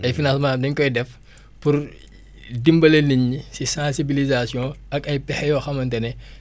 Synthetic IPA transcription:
ɐjfinãsmãdɐɲkɔjdɛf | puɾ | dimbɐlɐniɲːisisãsibilizasjɔ̃ʔɐkɐjpɛħɛjoxɐmɐntɐne

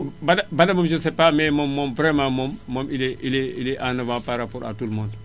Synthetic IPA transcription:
badabadamomd͡ʒunsepamɛmɔmːɔmvɾemãːmɔmːɔmileileileʔanavãːpaɾapɔɾa̰tulmõːnd

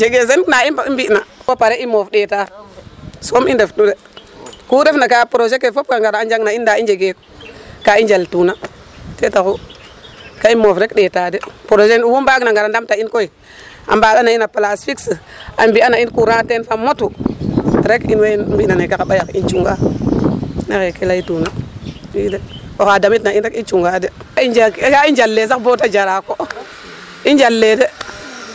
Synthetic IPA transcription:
d͡ʒeɡes̬ennaibaimbiʔnawopaɾeʔimofɗeːta | somindeftude | kuɾefnakapɾoʃekefop̚kaŋɡaɾaad͡ʒaŋnaindaid͡ʒeɡekkaind͡ʒaltunatetaku | kaimofɾekɗetadepɾod͡ʒenwubaknaŋɡaɾandamtainkoi | a̰mbalanainaplasfiks | ambianainkuɾãtenfamotu | ɾekḭnwebinanekakaɓajakint͡ʃuŋɡa | nakekelaitunawideokadamitnainɾekint͡ʃuŋɡadeid͡ʒakaind͡ʒalːes̬akbotad͡ʒaɾako | ind͡ʒalːede

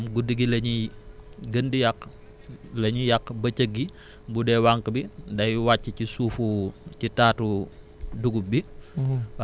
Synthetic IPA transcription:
mɡudiɡilɐɲi | ɡəndijɐk | lɐɲijɐk̚bɐcəɡːi | budɛwaŋkəbidɐjwacːicisuːfucitaːtu | duɡubi

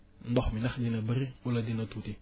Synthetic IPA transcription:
n̩bɔxminaxdinabəɾiuladinatuti

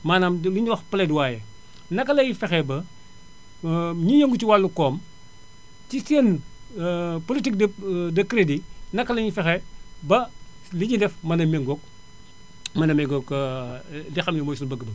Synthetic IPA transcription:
maːnaːmliɲuwɐxpəlɛdwaːjɛ | nɐkːɐlɐjifɛxɛbɐ | ɲijɐŋɡutiwalːukɔːm | ciseːn | politik̚dɐdɐkɾedinɐkːɐlɐɲifɛxɛbɐ | liɲidɛfmɐnɐmeŋɡɔk̚ | mɐnɐmɛŋɡokɐ | dɛxɐmlimɔːjsunbɐɡːbɐ

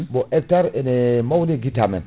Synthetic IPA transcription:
boʔek̚taɾenemawniɡitamɛ̰n

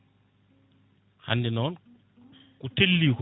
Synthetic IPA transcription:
ha̰ndinɔn | kutʰellik

